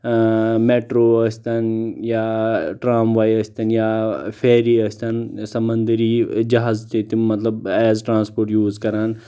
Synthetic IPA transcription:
meːʈɾoːəsʲt̪ɐnjaːʈɾaːmʋaːjɐsʲt̪ɐnjaːpʰeːɾiɐsʲt̪ɐnsɐmɐ̃nd̪ɾid͡ʒɐɦaːzt̪it̪imɐt̪lɐbɛːzʈɾãːnspoːɾʈjuːzkɐɾaːn

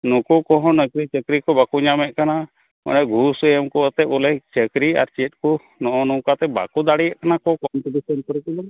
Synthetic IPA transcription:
nukukɔɦɔ̃nəkɾit͡ʃəkɾikɔbakuɲamɛʔ̚kana | ɔ̰nɛɡʱusəjəmkɔət̪ɛt̪̚ulɛt͡ʃəkɾia̰ɾt͡ʃt̪̚ˀku | nɔʔɔnuwkat̪ɛba̰kud̪aɽijəʔkanakɔkɔnt̪ubisɛnkɔɾɔkɔbɔl

